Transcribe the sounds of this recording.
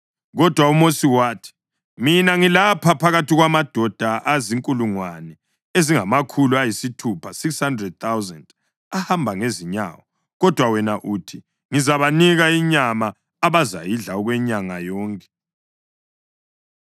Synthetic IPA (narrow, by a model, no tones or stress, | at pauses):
ɣɔd̥ʱwaumosiwaːtʰi̥ | minaŋilapʰapʰaɣatʰiɣwamad̥ʱɔd̥ʱaʔaziŋkʼuluŋwanɛ | eziŋamakʰuluajisitʰupʰasikshandrɛd̚t̪awzand | ahambʱaŋeziɲa̰wɔ | ɣɔd̥ʱwawɛnaʔuːtʰi | ŋizaβaniɣaiɲamaː | βaza̰jiɮaɔɣwɛɲaŋajɔːŋkʼɛ̥